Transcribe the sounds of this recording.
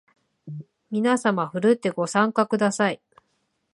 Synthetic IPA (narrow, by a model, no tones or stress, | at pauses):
mʲinasamaɸɯ̟ɾɯ̟t̪ːe̞ɡo̞sãŋkakɯ̟d̪asai